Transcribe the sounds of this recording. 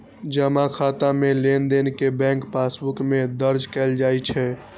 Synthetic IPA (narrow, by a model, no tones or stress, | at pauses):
d͡ʒəmakʰat̪amelend̪enkebɛ̃ŋkpasbukmed̪əɾd͡ʒkɛld͡ʒajt͡ʃʰɛ